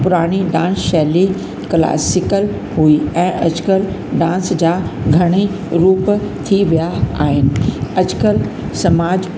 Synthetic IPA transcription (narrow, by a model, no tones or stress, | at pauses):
pʊɾaːɽ̃iɖãːsʃɛːli | kla̰ːsɪkəl | ɦuiɛ̃ːʔɐd͡ʑkəl | ɖãːnsd͡ʑaːɡʱɐɽ̃i | ɾuːpt̪ʰiʋijaa̰ːɦɪnɪ̆ɐd͡ʑkəl | sɐmaːd͡ʑ